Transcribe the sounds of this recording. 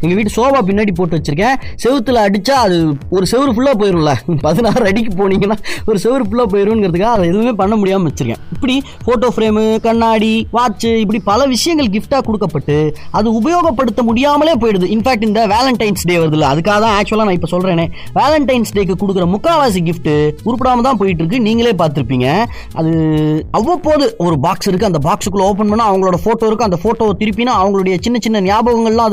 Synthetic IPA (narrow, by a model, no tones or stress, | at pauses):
ɛŋɡɐʋiːʈːɯsoːbaːp̬ɪnːaːɽip̬oːʈːɯʋɐt͡ʃːɯɾɯk̬ːẽː | sɛʋɯt̪ːɯlɐɽɯt͡ʃːaːɐðɯɔɾɯsɛʋɯɾɯfʊɭːaːp̬oːjɪɾũːlɐpɐðɯnaːɾɐɽik̬ːɯpoːniːŋɡɐnːaːɔɾɯsɛʋɪɾɯfʊɭːaːp̬oːjɪɾũːnɡɪɾɐðɯkːaːɐðɐɛðɯʋɯmeːpɐɳːɐmʊɽɪjaːmɐʋɐt͡ʃːɯɾɯkːḛ̃ːɪpːɐɽi | foːʈoːfɾeːmɯkɐɳːaːɽiʋaːt͡ʃːɯɪpːɐɽipɐlɐʋɪʂɐjɐŋɡɐɭɡɪfʈaːkɔɽɯkːɐpːɐʈːɯɐðɯʊbɐjoːɣɐpːɐɽɯt̪ːɐmʊɽɪjaːmɐleːp̬oːjɪɽɐðɯɪnfaːk̚ʈɪnd̪ɐʋaːlɐɳʈɐɪnsɖeːʋɐɾɐðɪlːɐɐðɯkːaːɣɐt̪ãːaːk̚t͡ʃʊɛlaːnãːɪpːoːsɔlɾẽːnẽː | ʋaːlɐɳʈɐɪnsɖeːk̬ːɯkːɔɽɯk̬ːɪɾɐmʊkːaːʋaːs̬iɡɪfʈɯʊɾɯpːɪɽaːmɐt̪ãːpoːjɪʈ̬ːɪɾɯk̬ːɯniːŋɡɐɭeːpaːɾt̪ɯɾɯpːiːŋɡɐ | ʔɐ̰ðɯɐʋːɐpːoːðɯɔɾɯbaːksɪɾɯkːɯɐnd̪ɐbaːksɯkːɯloːp̬ɐnpɐnːaːɐʋɐŋɡɐɭoːɽɐfoːʈːoːɪɾɯkːɯɐnd̪ɐfoːʈːoːt̪ɪɾɯp̬ːinaːɐʋɐŋɡɐɭɯɽɐjɐt͡ʃɪnːɐt͡ʃɪnːɐnɪjaːboːɣɐŋɡɐɭlãːɐ